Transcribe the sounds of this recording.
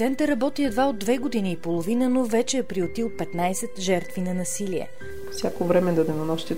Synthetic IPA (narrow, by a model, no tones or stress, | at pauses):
t̪sɛnt̪əɾɐbɔt̪iɛd̪vaod̪ːvɛɡod̪iniːpolˠovinənovɛt͡ʃɛːpɾiot̪ilˠpɛt̪najsɛt̪ʒɛɾt̪vinɐnɐsiliɛ̰ | o̥sʲjakovɾɛmɛd̪ɐd̪ɛnɐnɔʃt̪i